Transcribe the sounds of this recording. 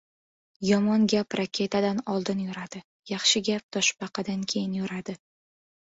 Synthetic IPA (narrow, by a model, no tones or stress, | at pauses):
jɒmɒnɡʲapɾakʲʰe̞t̪ʰad̪anɒlˠd̪ɪnjʊɾad̪̥ɪ | jɑχʃɪɡʲap̚t̪ʰɒʃbɑqʰɑd̪ankʲʰe̞jɪnjɵɾad̪ɪ